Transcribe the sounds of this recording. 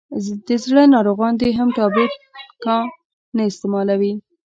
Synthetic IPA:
d̪əzɽənɑɾoɣɑnd̪eɦamʈɑbet̪kɑ | naɪst̪emɑlawi

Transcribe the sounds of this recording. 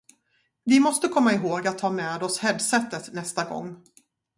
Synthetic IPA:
vɪmɔst̪əkʰɔmːaɪɦoːɡat̪ʰːɑːmɛːd̪ɔshɛd̪sɛt̪ːət̪nɛst̪aɡɔ̰ŋː

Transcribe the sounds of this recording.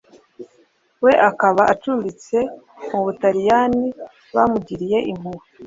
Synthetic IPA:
we̞ʔakaβaʔat͡ʃuːmbit͡se̞ | muβutaɾijani | βamuɟiɾije̞ʔim̥uɾu

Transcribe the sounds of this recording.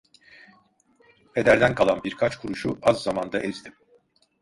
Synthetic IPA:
pʰed̪æɾd̪ænkʰalˠanbiɾkʰat͡ʃkʰuɾuʃuʔazːamand̪aʔezd̪ʰim

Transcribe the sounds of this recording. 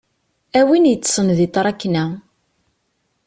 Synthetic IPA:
æwinjət͡sːsˤənðit̪ˤːɾˤɑkːnæ

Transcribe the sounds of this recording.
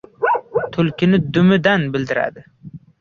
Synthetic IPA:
t̪ʰʊlkʲʰɪnɪd̪ʊmɪd̪anbɪld̪ɪɾa̰d̪ɪ

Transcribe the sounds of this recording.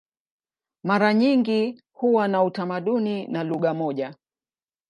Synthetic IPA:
maɾaɲiŋɡi | huwanautamaɗuninaluɠamɔʄa

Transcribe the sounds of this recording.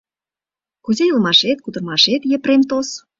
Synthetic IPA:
kuzejəlmɑʃet̪̚kud̪ɤ̆rmɑʃet̪jə̆pɾemt̪os

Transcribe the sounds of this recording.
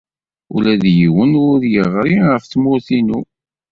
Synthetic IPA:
ʊlæðjiwənʊɾjəʁɾiʁəfθmʊɾθinu

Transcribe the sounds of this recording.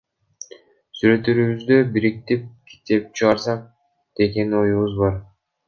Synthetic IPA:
syɾø̞t̪øɾyβyzd̪øbiɾik̚t̪ip̚kʲʰi̥t̪e̞p̚t͡ʃʰɯʁɑɾsɑq̚ | d̪̥e̞ke̞nio̞juβuzbɑɾ

